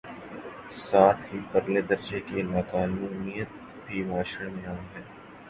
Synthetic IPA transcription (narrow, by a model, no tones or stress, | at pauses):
saːt̪ʰɦipɐɾled̪ɐɾd͡ʒekenaːkaːnũːnijət̪ | ɦiʋaːʃəɽmẽaːmɦɛː